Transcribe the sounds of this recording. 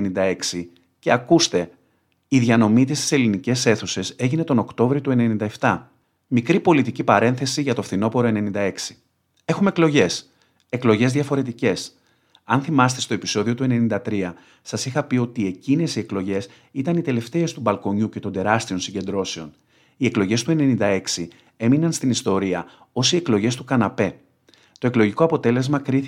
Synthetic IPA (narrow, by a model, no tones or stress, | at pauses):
nind̪ɐe̞ksi | ce̞ɐkust̪e̞ | iðʝɐno̞mit̪ist̪i̥se̞linice̞se̞θuse̞se̞ʝine̞t̪o̞no̞kt̪o̞vɾiot̪ue̞nenind̪ɐeft̪ɐ | mikɾipo̞lit̪icipɐɾe̞nθe̞siʝɐt̪o̞fθino̞po̞ɾo̞e̞nenind̪ɐe̞ksi̥ | e̞xume̞klo̞ʝe̞s | e̞klo̞ʝe̞zðʝɐfo̞ɾe̞t̪̬ice̞s | ɐnθimɐst̪e̞st̪oe̞piso̞ðiot̪ue̞ne̞nind̪ɐt̪ɾiɐ | sɐsixɐpio̞t̪ie̞cine̞sie̞klo̞ʝe̞s | it̪ɐnit̪e̞le̞ft̪e̞est̪ubɐlko̞ɲuce̞t̪o̞nd̪e̞ɾɐst̪io̞nsiɲɟe̞nd̪ɾo̞se̞o̞n | ie̞klo̞ʝe̞st̪ue̞ne̞nind̪ɐe̞ksi | e̞minɐnst̪inist̪o̞ɾiɐ | o̞sie̞klo̞ʝe̞st̪ukɐnɐpe̞ | t̪o̞e̞klo̞ʝiko̞ɐpo̞t̪e̞le̞zmɐkɾiθ